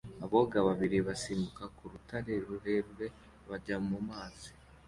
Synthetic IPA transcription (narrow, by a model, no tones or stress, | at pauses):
aβo̞ɡaβaβiɾiβasiːmbukakuɾutaɾe̞ɾuɾe̞ɾwe̞ | βaɟamumaːzi̥